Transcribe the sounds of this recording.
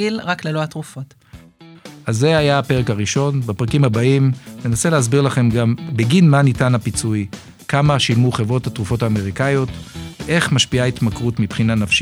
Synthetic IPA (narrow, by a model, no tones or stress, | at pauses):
ilʁakleloatʁufot | aze̞ajaːpe̞ʁe̞kaʁiʃo̞nbapʁakimhabaimne̞nase̞lehasbiʁlaχe̞mɡambeɡinmanitanapit͡suj | kamaʃilmuχe̞vʁo̞thatʁufo̞taːme̞ʁikajo̞tveʔe̞χmaʃpiaitmakʁutmipχinanafʃ